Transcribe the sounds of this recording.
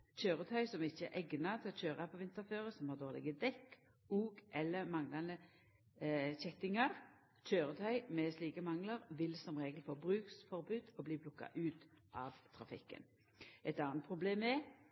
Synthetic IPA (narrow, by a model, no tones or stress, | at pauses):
c͡çøːɾət̪ʰœʏsɔmɪçːəæʔɛɡnɑt̪ʰɪlɔçøːɾɑpʰɔʋɪnt̪əɾføːʁəsɔmhɑːʁd̪oːʁlɪ̰ɡəd̪ɛkː | uːɡʔɛlːəmɑŋlɑnə | çɛt̪ɪŋɑʁ | c͡çøːɾət̪ʰœʏmɛsliːkəmɑŋlɑʁʋɪlsɔmʁeːɡəlfoːbʁʉːksfɔɾbʉːd̪ɔbliːpʰlʊkːɑ̰ʔʉːt̪ | ʔɑʋt̪ʰɾɑfɪ̰kːə̰n | ʔɛt̪ɑːnt̪̚pʰʁʊbleːmɛ